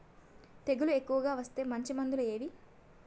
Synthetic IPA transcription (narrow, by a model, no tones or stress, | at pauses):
t̪e̞ɡulue̞kːuʋɐɡaːʋɐst̪e̞ːmɐɲt͡ʃimɐnd̪ulueːʋi